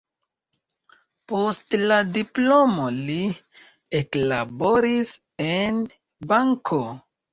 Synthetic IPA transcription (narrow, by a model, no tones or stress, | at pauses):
po̞stladiplo̞moli | eklabo̞ɾis | en | baŋkʰo